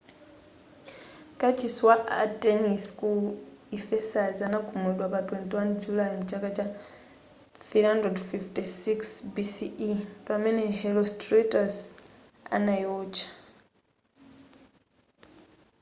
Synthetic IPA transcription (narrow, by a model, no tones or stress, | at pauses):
kat͡ʃiswaateniskuifesazanakumudwapatwentwand͡ʒulajmut͡ʃakat͡ʃa | θihandredfiftisiksbisiipamenehelostretos | a̰najot͡ʃḁ